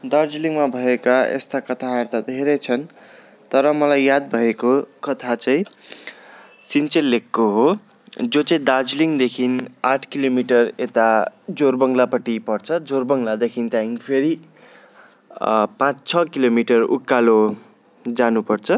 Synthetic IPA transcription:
d̪ard͡zliŋmabʱʌekaḛst̪akʌt̪ʰaert̪ad̪ʱeɾʌt͡sʰʌn | t̪ʌɾʌmʌlajːad̪̚bʱʌekokʌt̪ʰat͡sʌĩ | sint͡selːekːoɦo | d͡zot͡saĩd̪ard͡zliŋd̪ekʰinaʈʰkilomiʈʌret̪ad͡zorbʌŋlapʌʈipʌrt͡sʰʌd͡zorbʌŋlad̪ekʰint̪aiŋpʰeɾi | pãt͡st͡sʰʌkilomiʈʌrṵkːalo | d͡zanupʌrt͡sʰʌ

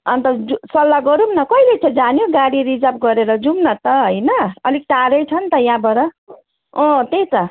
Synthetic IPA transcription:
ʌnt̪ʌd͡zusʌlːaɡʌɾumnʌkʌilet͡sʰʌd͡zanjoɡaɽiɾid͡zap̚ɡʌɾeɾʌd͡zumnʌt̪ʌɦʌjnʌʌlikʈaɾʌjt͡sʰʌnt̪ʌjãbʌɾʌ | õt̪ejt̪ʌ

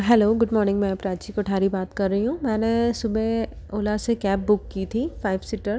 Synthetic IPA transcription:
ɦɛloːɡʊɖmɔːɾnɪ̃ŋɡmɛ̃ːpɾaːt͡ʃikoʈʰaːɾibaːt̪kɐɾːɐɦiɦũmɛ̃ːnesʊbe | oːlasekɛːp̚bʊkːiːt̪ʰifaːɪʋsɪʈəɾ

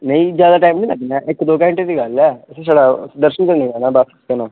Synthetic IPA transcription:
nə̃ĩːd͡ʒjaːd̪aːʈaːmĩlaɡnãːʔɪkd̪oːkɛɦəɳʈeːd̪iːɡəlɛːseːsaːɽaːd̪əɾʃənkəɾnĩːɛːnãːbasɪ̥skənãː

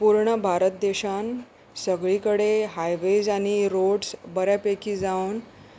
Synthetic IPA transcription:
puɾɳəbʱaɾət̪̚d̪eɕan | səɡɭiːkəɽeɦajʋed͡zaɽ̃iɾoɽsbəɾjapekiːd͡zaun

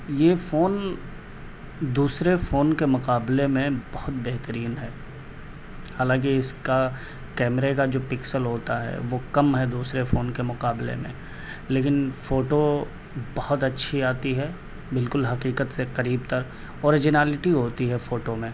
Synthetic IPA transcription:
jefoːn | d̪uːsɾefoːnkemʊqaːblemẽbɔhʊt̪̚bɛɦt̪əɾiːnɦɛː | haːlãːk̬iɪska | kɛːmɾekad͡ʒoːpɪksəlɦoːt̪aɦɛ̰ʋokɐmɦɛd̪uːsɾefoːnkemʊqaːblḛmḛ̃ | leːkɪnfoːʈo | bɐɦʊt̪ɐtːʃʰiaːt̪iɦɛː | bɪlkʊlɦɐqiːqət̪seqɐɾiːb̚t̪əɾ | ɔːɾɪd͡ʒɪnɛːlɪʈiɦoːt̪iɦɛfoːʈomẽː

